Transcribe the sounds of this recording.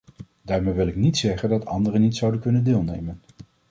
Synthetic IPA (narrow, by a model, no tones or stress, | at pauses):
daːɹmejʋɪlˠɪknitsɛχəndɑtʰɑ̰ndərənitsʌwdənkɵnəndeːlˠnejmən